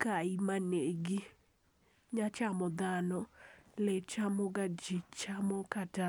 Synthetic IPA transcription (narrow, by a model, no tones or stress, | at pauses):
kaimaneɡi | ɲat͡ʃamɔd̪anɔlɛt͡ʃamɔɡad͡ʒit͡ʃamɔkata